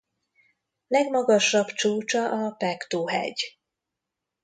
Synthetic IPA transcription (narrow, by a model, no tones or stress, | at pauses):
lɛɡmɒɡɒʃɒbt͡ʃuːt͡ʃɒʔɒpɛkt̪uːɦɛ̰ɟ